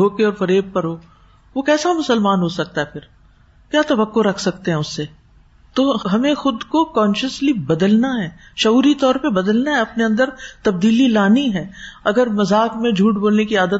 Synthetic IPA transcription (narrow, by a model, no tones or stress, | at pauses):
oːkeɔːɾfɐɾeːb̚pɐɾɦoː | ʋokɛːsamʊsəlmaːnɦosɐk̚t̪aɦɛpʰɪɾ | kjaːt̪ɐʋəkːoɾɐkʰsɐkt̪ẽɦɛ̃ʊsːe | t̪oːɦɐmẽxʊd̪kokɔːnʃəslibɐd̪əlnaɦɛː | ʃɐuːɾit̪ɔːɾpebɐd̪əlnaɦɛɐpneɐ̃nd̪əɾt̪ɐb̚d̪iːlilaːniɦɛːɐɡəɾmɐzaːkmẽd͡ʒʱuːʈboːlnekiaːd̪ə